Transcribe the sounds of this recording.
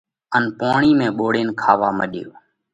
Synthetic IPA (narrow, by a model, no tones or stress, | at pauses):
ənpaːɳiːmẽːɓoːɽeːnkʰaːʋaːməɗjo̰ː